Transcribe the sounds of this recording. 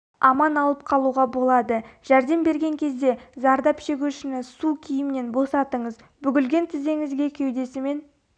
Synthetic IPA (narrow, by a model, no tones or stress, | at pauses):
ɑmɑnɑlˠəp̚qʰɑlˠuʁɑbo̞lˠɑd̪əʒ̥æɾd̪e̞mbe̞ɾɡʲe̞ŋkʲʰe̞zd̪e̞zɑɾd̪ɑpʃe̞ɡʲuʃɪnɪsukʲʰijɪmɪne̞nbo̞sɑt̪əɴəz | bʏɡʲɪlɡʲe̞nt̪ʰɪze̞ŋɪzɡʲe̞kʲʰewd̪e̞sɪme̞n